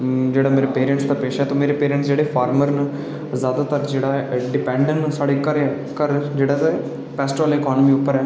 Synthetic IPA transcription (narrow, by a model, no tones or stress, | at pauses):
d͡ʒeːɽaːmeːɾeːpeːɾə̃ɳʈsd̪aːpeːʃaːt̪õːmeːɾeːpeːɾẽɳʈsd͡ʒeːɽeːfʰaːɾməɾnə | zjaːd̪aːt̪əɾd͡ʒeːɽaːɛɖɪpɛ̃ːɳɖə̃ɳsaːɽeːkəɾe | kəɾd͡ʒeːɽaːte | pɛːsʈɾɔːlɪkɔːnəmiːʊpːəɾɛː